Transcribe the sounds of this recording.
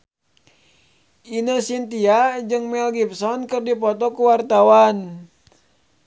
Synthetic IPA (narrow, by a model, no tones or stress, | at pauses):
ʔinəsint̪iad͡ʒɨŋmɛlɡip̚sɔnkɨrdipɔt̪ɔkuwart̪awan